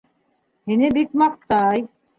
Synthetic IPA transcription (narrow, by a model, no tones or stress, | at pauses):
hinɘbik̚mɑq̚t̪ɑj